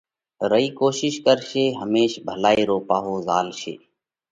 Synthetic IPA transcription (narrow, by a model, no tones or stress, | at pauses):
ɾəiːkoːʃɪʃkəɾʃeːɦəmeːʃbʱəlaːiːɾoːpaːɦoːzaːlʃḛː